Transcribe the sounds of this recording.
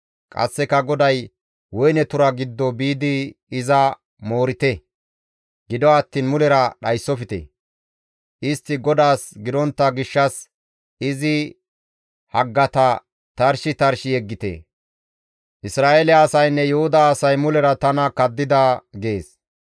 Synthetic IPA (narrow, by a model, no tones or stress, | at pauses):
kʼɐ̰sːɛkɐɡɔd̪ɐj | wɔjnɛt̪ʊɾɐɡɪd̪ːɔbiːd̪ɪːzɐ | mo̞ːɾɪt̪ɛ | ɡ̥ɪd̪ɔɐt̪ːiːnmʊlɛɾɐɗɐjsːɔfɪt̪ḛ | ʔɪst̪ːɪɡɔd̪aːsɡɪd̪ɔnt̪ːɐɡɪʃːɐs | ɪzɪ | hɐɡːɐt̪ɐ | t̪ɐɾʃɪt̪ɐɾʃɪjɛɡːɪt̪ḛ | ʔɪsɾaːelɛɐsɐjnːɛjɔhʊd̪aːsɐjmʊlɛɾɐt̪ɐnɐkɐd̪ːɪd̪aɡe̞ːs